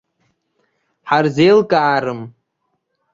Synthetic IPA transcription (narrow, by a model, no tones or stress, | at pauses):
ħarzejlkʼaːɾɨm